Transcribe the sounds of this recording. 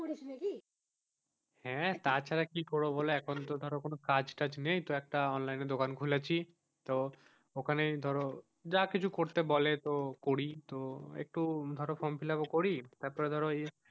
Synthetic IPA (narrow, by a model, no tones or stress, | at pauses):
oisneki | hɛ̃t̪at͡ɕʰaɾakikɔɾoboleɛkʰont̪od̪ʱɔɾokonokad͡ʑʈad͡ʑnejt̪oɛk̚ʈaɔnlajned̪okankʰulat͡ɕʰi | t̪o | okʰanejd̪ʱɔɾo | d͡ʑakit͡ɕʰukoɾt̪ebolet̪okoɾit̪oḛk̚ʈud̪ʱɔɾofomfilakokoɾit̪aɾpɔɾed̪ʱɔɾoe